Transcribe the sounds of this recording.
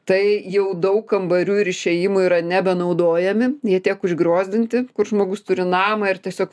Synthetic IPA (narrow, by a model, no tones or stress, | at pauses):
t̪ɐɪjɛʊd̪ɐʊkɐmbɐɾʲuːɪɾɪʃʲejɪmʊiːɾɐnʲɛbʲɛnɐʊd̪oːjɛmʲɪjiɛt̪ʲeːkʊʒʲɡɾoːzʲd̪ʲɪnʲt̪ʲɪkʊɾʒmoːɡʊst̪ʊɾʲɪnɑːmɐɪrt̪ʲiɛsʲoːk